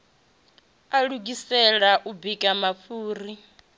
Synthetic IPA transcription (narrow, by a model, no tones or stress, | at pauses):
aɺuɡisɛɺaʔubikʼamafuːri